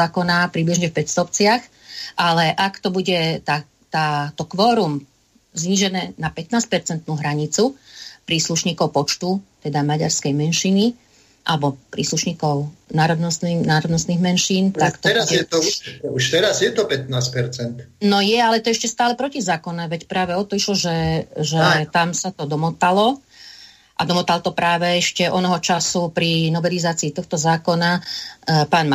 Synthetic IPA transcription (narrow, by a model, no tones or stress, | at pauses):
aːkɔnapɾibliʒɲɛfpɛcst̪ɔpt͡sɪax | ʔalɛʔakt̪ɔbuɟɛt̪a | t̪aːt̪ɔkʋɔːɾum | zɲiːʒɛnɛːnapɛt̪naːs̚pɛɾt͡sɛnt̪nuːɦɾaɲit͡supɾiːsluʃɲiːkɔʊpɔt͡ʃt̪ut̪ɛd̪amaɟa̰ɾskɛjmɛnʃini | ʔa̰lɛbɔpɾḭːsluʃɲiːkɔʊnaːɾɔd̪nɔsninaːɾɔd̪nɔst̪niːɣmɛnʃiːnt̪akt̪ɔɛɾɛt̪ɔuʃt̪ɛɾazjɛt̪ɔpɛt̪̚naːspɛɾt͡sɛnt̪nɔjɛalɛt̪ɔɛʃcɛst̪aːlɛpɾɔcizaːkɔnɛʋɛcpɾaːʋɛɔt̪ɔiʃlɔʒɛʒɛt̪amsat̪ɔd̪ɔmɔt̪alɔ | ʔa̰d̪ɔmɔt̪alt̪ɔpɾaːʋɛɛʃcɛʔɔnɔɦɔt͡ʃasupɾinɔbɛlizaːt͡siːt̪ɔxt̪ɔzaːkɔna | paːnm